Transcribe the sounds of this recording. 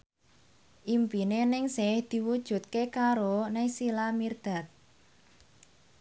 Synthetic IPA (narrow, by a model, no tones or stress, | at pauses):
ʔimpinenɪŋsɪhd̪̥i̤wud̥ʒ̥ṳt̪̚kekaɾonɪŋsilamird̪̥a̤t̪̚